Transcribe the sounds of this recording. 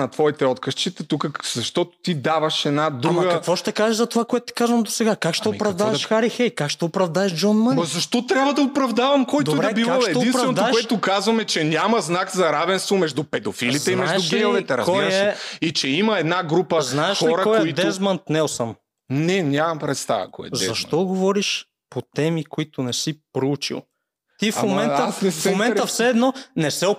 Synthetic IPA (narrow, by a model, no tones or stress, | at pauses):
nɐt̪vɔit̪ɛɔt̪kəʃt͡ʃit̪ɛt̪ukəzɐʃt̪ɔt̪ʊ̥t̪id̪avɐʃɛd̪nad̪ɾɾuɐɡəkɐkvɔʃt̪ɛkaʒɛzɐt̪ovakoɛt̪ʊ̥t̪i̥kazvɐmd̪osɛɡakakʃt̪ɛopɾɐvd̪aɛʃxaɾixɛjkakʃt̪ɛopɾɐvd̪aɛʃd͡ʒɔnmanzɐʃt̪ɔt̪ɾʲjabvəd̪ɐopɾɐvd̪avɐmkɔjd̪obɾɐɛbivɔaʃɛd̪ɛinpɾɐvɛnod̪akʊɛt̪ʊkazvɐmɛt͡ʃɛnʲamɐznakzɐɾavɛnst̪vomɛʒd̪upɛd̪ofiliɛimɛaʒɛuɡɛvɛt̪ɛɾɐkɔjɛɛit͡ʃɛimɐɛd̪naɡɾupəznaɛʃxiɾɐkɔɛid̪ɛzmənt̪nɛlˠsəm | nɛnʲamɐmpɾɛt̪st̪a̰və̰kɔ̰jɛ̰dzɐʃt̪ɔɡovɔɾiʃ | pot̪ɛmikoit̪ʊnɛsipɾout͡ʃḭlˠ | t̪ifmomɛnəsɛmomɛnəfsɛːd̪nɔnɛsɛo